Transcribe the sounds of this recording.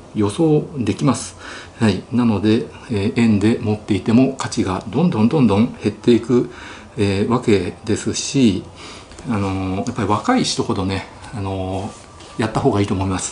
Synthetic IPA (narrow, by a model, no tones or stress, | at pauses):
jo̞so̞ːd̪e̞kʲimasɨ̥hainano̞d̪e̞ | eẽ̞nd̪e̞mo̞t̪ːe̞it̪e̞mo̞kat͡ɕiɡad̪õ̞nd̪õ̞nd̪õ̞nd̪õ̞ŋ̃he̞t̪ːe̞ikɯ̟ | eːβake̞d̪e̞sɨɕi | ano̞japːaɾʲiβakaiɕi̥t̪oho̞d̪o̞ne̞ | ano̞ | jat̪ːaɦo̞ːɡaiːt̪o̞ːmo̞imasɨ̥